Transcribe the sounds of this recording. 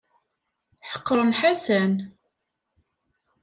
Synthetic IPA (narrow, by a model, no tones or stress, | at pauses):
ħə̥qːəɾˤənħasæn